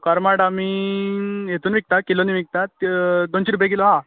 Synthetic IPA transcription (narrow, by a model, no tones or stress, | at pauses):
kaɾmaɽami | jet̪uːnʋik̚t̪akiloniʋik̚t̪at̪d̪onɕiɾup̬jeɡelɔɦã